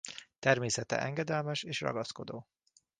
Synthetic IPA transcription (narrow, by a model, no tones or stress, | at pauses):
t̪ɛrmeːsɛt̪ɛ̰ʔɛŋɡɛd̪ɛlmɛʃeːʃrɒ̰ɡɒsko̞d̪oː